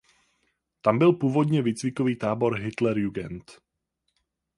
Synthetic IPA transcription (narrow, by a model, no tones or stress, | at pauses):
t̪ambilpuːʋɔd̪ɲɛʋiːt͡sʋikɔʋiːt̪aːbɔɾɦit̪lɛɾjuɡɛnt̪